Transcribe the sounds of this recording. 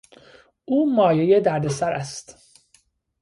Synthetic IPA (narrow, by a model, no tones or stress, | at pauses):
uːmɒːje̞je̞d̪æɾd̪e̞sæɾæst̪